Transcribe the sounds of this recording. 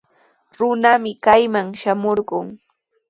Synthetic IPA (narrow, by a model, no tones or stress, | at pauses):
ɾʊnamɪkajmaŋʃamoɾɢʊŋ